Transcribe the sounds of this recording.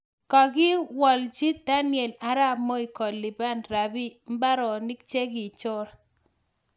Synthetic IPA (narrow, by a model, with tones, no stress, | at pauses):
kɔ˨ɡɪ˦wɔ˨ld͡ʒi˦t̚d̪a˦nɪɛ˨la˦ɾa˦˨mɔ˦i˨kɔ˨lːɪ˨ba˦nɾa˨bi˦m̩˦ba˦ɾɔ˨ni˦k̚t͡ʃe˦ɡɪ˨t͡ʃʊ˦ɾa˨